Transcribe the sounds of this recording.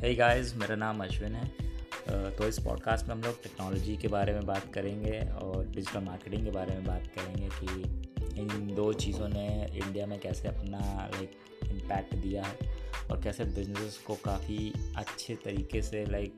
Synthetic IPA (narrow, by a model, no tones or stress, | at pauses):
ɦeːɡaːɪzmeːɾanaːmɐʃʋɪnɦɛː | t̪oɪspɔ̰ːɖ̚kaːsʈmẽɦɐmloːɡ̚ʈɛːknɔːlɔːd͡ʒikebaːɾemẽbaːt̪kɐɾẽːŋɡeɔːɾɖɪd͡ʒɪʈəlmaːɾkeːʈɪ̃ŋɡkebaːɾemẽbaːt̪kɐɾẽːŋɡekiɪnd̪oːt͡ʃiːzõneɪ̰̃ɳɖijamẽkɛːseɐpnala̰ɪk | ɪ̃mpɛːk̚ʈd̪ijaɦɛːɔ̰ːɾkɛːsebɪznɪsɪzkokaːfiɐtːʃʰet̪ɐɾiːkeselaɪk̚